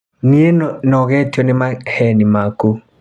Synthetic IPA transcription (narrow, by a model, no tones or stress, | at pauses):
nienɔɡɛt͡ʃɔnɪmahɛnimaku